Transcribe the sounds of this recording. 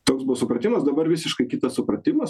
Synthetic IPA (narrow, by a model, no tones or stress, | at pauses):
t̪oːksbʊʋɔsʊpɾɐt̪ʲɪmɐsd̪ɐbɐɾʋʲɪsʲɪʃkɐɪkʲɪt̪ɐssʊpɾɐt̪ʲɪmɐs